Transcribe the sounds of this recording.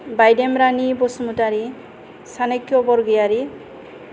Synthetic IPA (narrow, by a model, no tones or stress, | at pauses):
bajdemɾanibosumutaɾi | sanekːjɔbɔɾɡijaɾi